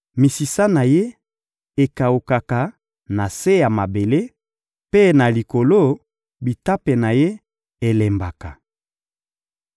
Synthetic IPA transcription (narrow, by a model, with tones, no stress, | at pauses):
mi˨si˨sa˦na˨je˦ | e˨ka˨u˨ka˨ka˨ | na˨se˦ja˨ma˨be˨le˦ | pe˦na˨li˨ko˨lo˦ | bi˨ta˦pe˨na˨je˦ | e˨le˨mba˨ka˨